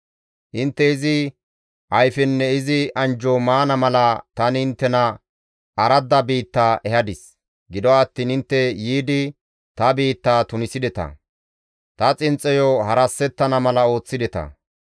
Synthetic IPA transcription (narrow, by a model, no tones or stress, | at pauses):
ʔɪnt̪ːɛɪzɪ | ʔɐjfɛnːɛɪzɪʔɐnd͡ʒɔmaːnɐmɐlɐt̪ɐnɪɪnt̪ːɛnɐ | ʔɐɾɐd̪ɐbiːt̪ːaːʔɛhɐd̪ɪs | ɡɪd̪ɔːt̪ːiːnhɪnt̪ːɛjiːd̪ɪ | t̪ɐbiːt̪ːaːt̪ʊnɪsɪd̪ɛt̪ɐ̰ | t̪ɐt͡sʼɪnt͡sʼːɛjɔhɐɾɐsːɛt̪ːɐnɐmɐlɐo̞ːt͡sːɪd̪ɛt̪ɐ̰